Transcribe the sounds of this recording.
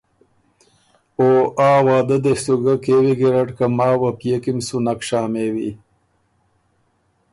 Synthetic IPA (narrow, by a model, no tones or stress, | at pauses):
oʔaːwɑːd̪əd̪esuɡakewiɡeɾaʈkamɑːwapjekimsunakʂaːmewi